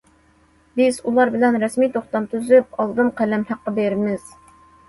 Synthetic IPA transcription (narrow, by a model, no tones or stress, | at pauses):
bɪzulˠɑɾbɪlɛnɾɛsmijt̪ʰoχt̪ɑmt̪ʰyzyp̚ɑlˠd̪ɨmqʰælɛmhæqːɑbeɾmɪz̥